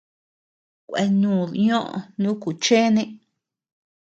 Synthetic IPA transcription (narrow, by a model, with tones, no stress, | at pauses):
kʷḛ˧nũː˨ɲõ˦ʔo̰˨˧nũ˦ku˨t͡ʃe˦nẽ˦